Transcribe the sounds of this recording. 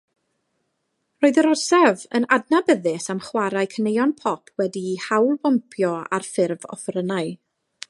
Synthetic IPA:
roːɨðəɾɔsɛvə̰nadnabəðɪsamχwaɾaɨkʰənejɔnpʰɔpʰwɛdihawlˠbɔnpʰjɔa̰rfɪrvɔ̰fɾənaɨ

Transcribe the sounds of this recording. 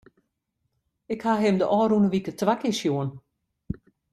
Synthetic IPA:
ɪkhaɦɪmdəʔɔːɾunəʋikətʋakɪʃjuən

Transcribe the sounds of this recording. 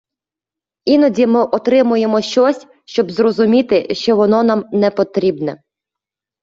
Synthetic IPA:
inɔdʲimɪʔɔt̪ɾɪmʊjemɔʃt͡ʃɔsʲ | ʃt͡ʃɔbzrɔzʊmʲit̪ɪʃt͡ʃɔʋɔnɔnɑmnɛpɔt̪ɾʲibnɛ̰

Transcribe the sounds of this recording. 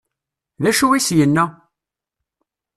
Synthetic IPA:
ðæʃuwisjənːæ

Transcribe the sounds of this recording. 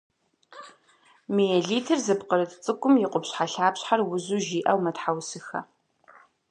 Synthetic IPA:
mijɛɮiːtʰɨrzɨpqəɾɨtt͡sʼɨkʷʼʊmjɪqʷʊpɕħaɬaːpɕħarwʊzuːʒiːʔɐwmɐtħawsɨxɐ̰

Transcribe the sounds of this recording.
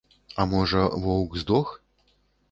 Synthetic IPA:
amɔʐɐvɔwkzd̪ɔx

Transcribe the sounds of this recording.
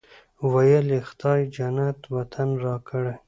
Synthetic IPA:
wajəlext̪ɑjd͡ʒanat̪wat̪ʰanɾɑkʰəɽe

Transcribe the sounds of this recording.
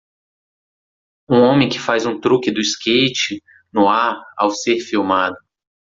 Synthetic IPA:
ũõmẽj̃kɪ̥fazũt̪ɾukɪd̪ʊiskejt͡ʃɪ | nʊaɾa̰wseɾfiwmad̪ʊ

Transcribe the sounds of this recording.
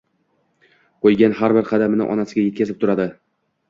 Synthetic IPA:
qojɡʲanhaɾbɪɾqʰɑd̪amɪnɪ̰ʔɒ̰nasɪɡʲaje̞t̪̚kʲazɪp̚t̪ʰʊɾad̪ɪ

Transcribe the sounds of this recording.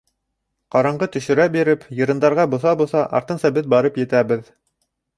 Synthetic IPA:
qɑɾɑɴɢɤt̪ɵ̆ʃɵ̆ɾæbiɾɘpjɤ̆ɾɤ̆nd̪ɑɾʁɑbŏθɑbuθɑʔɑ̰ɾt̪ɤ̆nsɑbɘt̪̚bɑɾɤpjɘ̆t̪æbɘð

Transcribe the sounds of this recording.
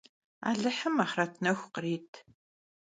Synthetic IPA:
a̰ːɮɨħəmaːχratʰnɐxʷqriːtʰ

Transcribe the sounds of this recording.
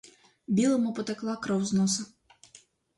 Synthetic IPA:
bʲilˠɐmupɔt̪ɛklˠakɾɐwznɔsɐ

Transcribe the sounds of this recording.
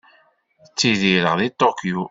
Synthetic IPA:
t͡sːiðiɾəʁðit̪ːokju

